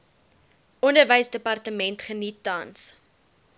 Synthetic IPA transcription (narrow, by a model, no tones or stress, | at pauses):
ɔndərvəjsdəpɐrtəmɛntχənitːɐns